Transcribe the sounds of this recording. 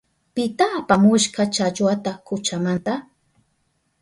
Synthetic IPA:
pɪt̪aːpamʊʃkɑt͡ʃat͡ʃwat̪akʊt͡ʃamant̪a

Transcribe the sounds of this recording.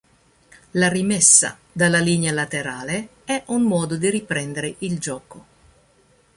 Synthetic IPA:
larimɛsːa̰ | d̪alːalinjalat̪eɾaːle | ɛʔunmɔːd̪od̪iripɾɛnd̪eɾeʔild͡ʒɔːko

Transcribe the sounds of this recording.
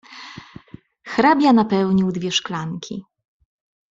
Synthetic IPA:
xɾabʲjanapɛwɲiwd̪vʲjɛʂklaŋkʲʰḭ

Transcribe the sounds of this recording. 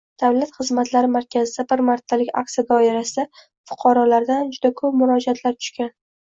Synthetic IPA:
d̪̥avlat̪χɨzmat̪laɾɪmaɾkʲʰazɪd̪abɪɾmaɾt̪ʰːalɪkʲa̰k̚sijad̪ɒɪɾasɪd̪a | fʊ̥qʰɑɾɒlaɾd̪and͡ʒʊd̪akʰɵp̚mʊɾɒd͡ʒiat̪ʰlaɾt̪ʰʊ̥ʃkʲan

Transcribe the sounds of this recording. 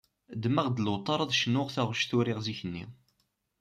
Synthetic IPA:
d̪mæʁd̪lwt̪ˤːɑɾˤɑðˤʃnːʊʁθæʁʃθʊɾɪʁziçənːḭ

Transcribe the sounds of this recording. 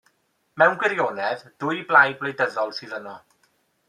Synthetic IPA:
mɛwnɡwɪɾjoːnɛðd̥ʊjblaj̚blejdəðɔlˠsɨːðənɔ

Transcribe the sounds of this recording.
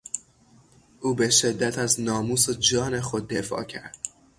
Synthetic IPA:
ʔuːbe̞ʃe̞d̪ːæt̪ʰæznɒːmuːsod͡ʒɒːne̞xo̞d̪ːe̞fɒ̰ːcʰæɾd̪̥

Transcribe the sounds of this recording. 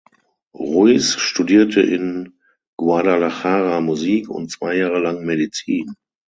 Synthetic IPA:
ʁuisʃtudiːɐtʰə̰ʔɪ̰n | ɡ̥waɐdalaxaːʁamuziːkʊ̰nt̚t͡sv̥aɪjaːʁəlaŋmedit͡siːn

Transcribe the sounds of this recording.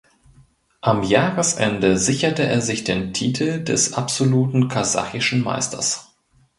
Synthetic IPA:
ʔamjaːʁəsʔɛ̰ndəzɪçɐtəʔeːɐzɪçd̥eːntʰiːtʰl̩dɛ̰sʔapz̥oluːtn̩kʰaza̰χɪʃn̩ma̰ɪstʰɐ̰s

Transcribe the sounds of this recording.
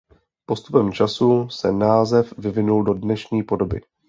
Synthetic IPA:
po̞st̪upɛmt͡ʃasusɛnaːzɛfvɪvɪnuldo̞dnɛʃɲiːpo̞do̞bɪ̰

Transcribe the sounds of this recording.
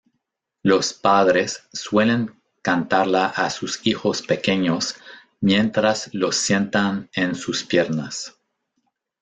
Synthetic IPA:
lo̞spaðɾe̞sːwele̞ŋ | kant̪aɾlaʔasusixo̞spe̞ke̞ɲos | mje̞nt̪ɾaslo̞sːje̞nt̪anensuspjeɾnas

